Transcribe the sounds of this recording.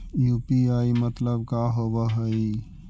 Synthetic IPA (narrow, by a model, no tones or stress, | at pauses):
juːpiaːimɐt̪ləb̚kaːɦoʋaɦəi